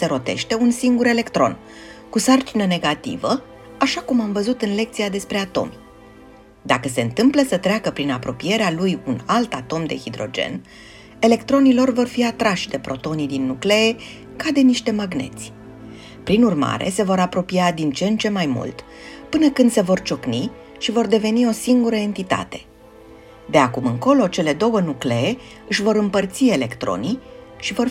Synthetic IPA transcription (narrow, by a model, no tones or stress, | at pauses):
se̞ɾo̞t̪e̞̰ʃt̪e̞unsiŋɡuɾe̞le̞kt̪ɾo̞̰n | kusart͡ʃinəne̞ɡat̪ḭvə | aʃakumamvəzut̪ɨnle̞k̚t̪sijad̪e̞spɾe̞at̪o̞̰m | d̪akəse̞ɨnt̪ɨmpləsət̪ɾeakəpɾinapɾo̞pije̞ɾealujunalt̪at̪o̞md̪e̞̰hid̪ɾo̞̰d͡ʒe̞̰n | e̞le̞kt̪ɾo̞nilo̞rvo̞rfiat̪ɾaʃʲd̪e̞pɾo̞t̪o̞nid̪inːukle̞e | kad̪e̞niʃt̪e̞maɡne̞̰t̪sʲ | pɾinurma̰ɾe̞̰se̞vo̞ɾapɾo̞piad̪int͡ʃe̞nt͡ʃe̞majmṵlt̪ | pɨnəkɨnd̪se̞vo̞rt͡ʃo̞kni | ʃivo̞rd̪e̞ve̞nio̞siŋɡuɾəe̞nt̪it̪a̰t̪e̞̥ | d̪e̞akumɨŋko̞lo̞t͡ʃe̞le̞d̪o̞wənukle̞e | ɨʃvo̞ɾɨmpərt̪sie̞le̞kt̪ɾo̞̰niʃivo̞r